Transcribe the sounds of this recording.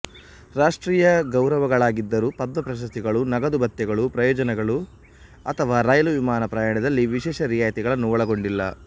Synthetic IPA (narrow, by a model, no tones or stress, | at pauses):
ɾaːʂʈɾiːjɐɡɐwɾɐʋɐɡɐɭaːɡid̪ːɐɾuːpɐd̪mɐpɾɐʃ̬ɐst̪iɡɐɭunɐɡɐd̪ubɐt̪jɛɡɐɭupɾɐjɔːd͡ʒɐnɛɡɐɭu | ɐt̪ʰɐʋaːɾaːjɐluʋimaːnɐpɾaːjaːɳɐd̪ɐlːiʋiʃɛːʃɐɾijaːjɐt̪iɡɐɭɐnːuʋɔɭɐɡo̞ɳɖilːɐ̰